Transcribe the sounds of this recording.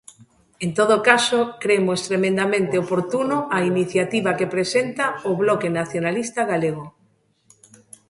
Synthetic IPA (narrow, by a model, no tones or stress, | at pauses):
ent̪oðokasokɾemoest̪ɾemẽnd̪amẽnt̪eopoɾt̪unʊainiθjat̪iβakepɾesent̪aoβlɔkenaθjonalist̪aɣaleɣo